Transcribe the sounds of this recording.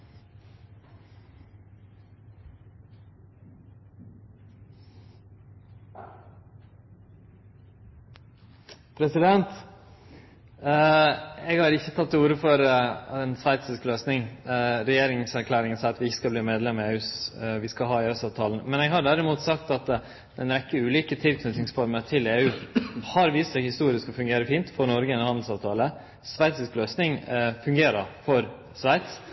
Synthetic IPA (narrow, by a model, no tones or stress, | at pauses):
pʰɾɛsɪd̪ɛnt̪ | eːɡhɑːɾɪçːət̪ʰɑt̪ːuːɾəfɔɾɛnsʋæɪt̪sɪskløːsnɪŋɾɛjeːɾɪŋsæɾkʰlæːɾɪŋənsæɪɑt̪ʋɪɪçːə̥skɑbliːmeːd̪lɛmːeːʉːsʋɪskɑɦɑːɪœsɑːʋt̪ʰɑːln̩mɛnɛɡɦɑɖæɾɪmuːt̪sɑk̚t̪ɑt̪ | ɛnɾɛkːəʉːliːkət̪ʰɪlkʰnʉt̪nɪŋsfɔɾməɾʈʰɪleːʉːhɑɾʋiːst̪sɛɡhɪst̪uːɾɪskɔfʉŋɡeːɾəfiːnt̪fɔɾnɔɾɡəɛnhɑnd̪l̩sɑːʋt̪ʰɑːlə | sʋæɪt̪sɪskløːsnɪŋfʉŋɡeːɾəɾfɔɾ | sʋæɪt̪s